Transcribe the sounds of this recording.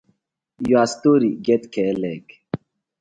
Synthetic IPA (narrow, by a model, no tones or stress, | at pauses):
juast̪oɾiɡet̪kʰelek